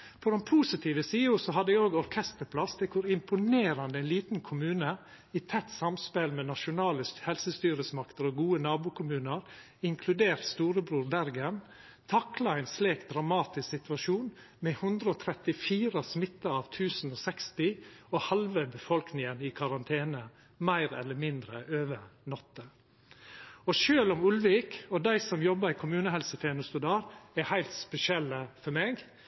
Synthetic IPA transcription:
pʰɔd̪ɛnpʰuːsɪt̪ʰiːʋəsiːʊsɔɦɑd̪əɛoːɡɔɾkʰɛst̪əɾpʰlɑst̪ʰɪkʰʊɾɪmpʊneːɾɑnd̪əɛɪnliːt̪n̩kʰʊmʉːnə | iːt̪ʰɛt̪ːsɑmspɛlmeːnɑʃʊnɑːləshɛlsəst̪yːɾəsmɑkt̪əɾoːɡuːənɑːbuːkʰʊmʉːnəɾ | ɪŋkʰlʉd̪eːɾt̪st̪uːɾəbɾuːɾbæɾɡən | t̪ʰɑklɑɛɪnsleːk̚d̪ɾɑmɑːt̪ɪsksɪt̪ʋɑʃuːn | mɛhʉnd̪ɾəɔːt̪ʰɾɛt̪ɪfiːɾəsmɪt̪ːəɾɑːʋt̪ʰʉːsn̩ɔsɛkst̪ɪɔhɑlʋəbəfɔlknɪŋənɪkʰɑɾɑnt̪ʰeːnə | mæɪɾɛ̰lːəmɪnd̪ɾəʔøːʋənɔt̪ːə | ɔʃøːlɔmʉlʋiːkɔd̪æɪsɔmjɔbːəɾɪkʰʊmʉːnəhɛlsət̪ʰeːnʊst̪uːd̪ɑɾɛhæɪlt̪spɛsɪɛlːəfɔɾmeːɡ

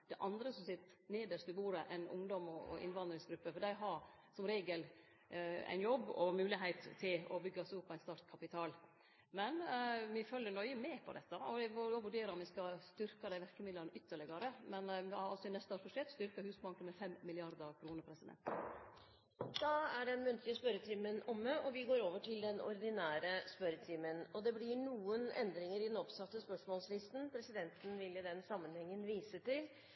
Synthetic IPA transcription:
d̪̥ɛʔɑnd̪ɾəsɔmsɪt̪neːd̪əʂɪbuːɾəʔɛɪnʊ̰ŋd̪ɔmɔɔ̰ʔɪ̰nʋɑnd̪ɾɪŋsɡɾʉpːəfɔɖæɪɦɑɾ | sɔmɾeːɡəl | æ̰ɪnjɔbːɔmʉːlɪɦæɪt̪t̪ʰːɪlɔbʏɡːəɑsɔʊpʰːɔæɪnst̪ɑɾt̪kʰɑpɪt̪ʰɑːl | mɛnʋɪfœljːənɔʏəmeːpʰɔ̰d̪ɛt̪ːəɔd̪ɛʋoʋʉɖeːɾɑɾɔmʋɪskɑst̪ʏɾkɑd̪æɪʋæɾkəmɪd̪lɑnəʔʏt̪ʰːəɭɪɡɑɾəmɛnʋɾɑlsɔɪnɛst̪əoːɾfʰɔʂɛt̪st̪ʏɾkəhʉːsbɑŋkənmɛfɛmːɪlɪɑɾd̪əkʰɾuːnəɾpʰɾɛsəd̪ɛ̰nt̪ | d̪̥ɑæɖɛnmʉnt̪ʰlɪəspœɾət̪ʰiːmənɔmːəʔɔʋɪɡoːɾoːʋəʈɪld̪ɛnɔ̰ɾd̪ɪnæːɾəspœɾət̪ʰimənɔd̪ɛblɪɳuːənɛ̰nd̪ɾɪŋəɾɪd̪ɛnɔpsɑt̪ːəspœʂmɔːlslɪst̪n̩pʰɾɛsɪd̪ɛnt̪ən̩ʋɪlɪd̪ɛnsɑmːənhɛŋːənʋiːsət̪ɪl

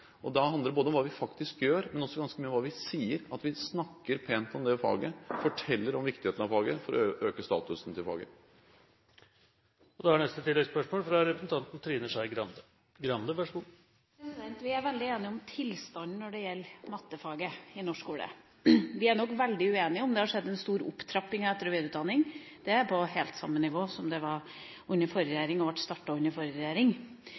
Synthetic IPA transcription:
ʔɔd̪ɑɦɑnd̪əɾɖəboːd̪əɔmʋɑːʋɪfɑkt̪ɪskjøːɾmɛnɔsːɔɡɑnskəmyːɔmʋɑːʋɪsiːəɾɑt̪ʋɪsnɑkːəɾpʰeːnt̪ɔmd̪ɛfɑ̰ːɡəfɔʈʰɛlːəɾɔmʋɪkt̪ɪheːt̪nɑʋfɑːɡəfɔɾɔ̰ʔøːkəst̪ɑ̰ːt̪ʉsn̩t̪ʰɪlfɑ̰ːɡə̰ | ɔd̪ɛhænɛst̪ət̪ɪlːɛɡspœʂmoːlfɾɑɾɛpɾəsn̩t̪ɑnt̪n̩t̪ʰɾiːnəʂæɪɡɾɑnd̪ə | ɡɾɑnd̪əʋæʂmː | sɛnt̪ʋɪæɾʋɛld̪ɪeːnɪɔmt̪ʰɪlst̪ɑnnɔɖɛjɛlːmɑt̪ːəfɑːɡəɪnɔʂkuːlə̰ | ʋɪæɳɔkːʋɛld̪ɪʉeːnɪɔmd̪ɛhɑʂɛd̪ːɛnst̪uːɾʊ̰pːt̪ʰɾɑpːɪŋɛt̪ːəɾɔʋeːd̪ʉːt̪d̪ɑnːɪŋ | d̪̥ɛæɾpʰɔɦeːlt̪sɑ̰mːənɪʋoːsɔmd̪ɛʋɑɾ | ʉnːəfɔɾɾɛjeːɾɪŋɔʋæʈst̪ɑʈːɑʉnːəɾfɔɾɾɛjeːɾɪŋ

